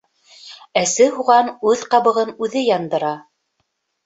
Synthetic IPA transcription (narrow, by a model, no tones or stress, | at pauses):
æsɘɦuʁɑnʉðqɑβɤ̆ʁɤnʉðɘjɑnd̪ɤ̆ɾɑ